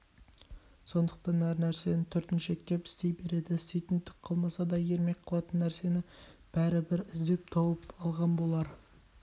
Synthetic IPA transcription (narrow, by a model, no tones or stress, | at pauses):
so̞nd̪əqt̪ɑnæɾnæɾse̞nɪt̪ʰʏɾt̪ɪnʃekʲːepɪ̥st̪e̞jbe̞ɾe̞d̪ɪsejt̪ɪnt̪ʰːʏ̥kqʰɑlˠmɑsɑd̪ɑje̞ɾme̞kqʰɑlˠɑt̪ənːæɾse̞nɪb̥æɾɪbɪɾɪzd̪e̞p̚t̪ʰɑwəpɑlˠʁɑnbo̞lˠɑɾə